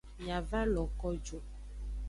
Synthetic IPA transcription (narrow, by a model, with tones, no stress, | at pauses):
ɲ˨ã˨va˦lɔ˨kɔ˦d͡ʒo˨